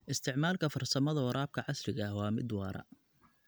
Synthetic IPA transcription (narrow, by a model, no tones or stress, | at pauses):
ʔɪst̪ʰɪʕmaːlkʰɐfɐrsɐmɐðɐwɐɾaːb̚kʰɐʕɑslɪɣɐhwɑːmɪ̰d̪wɑːɾɐ̰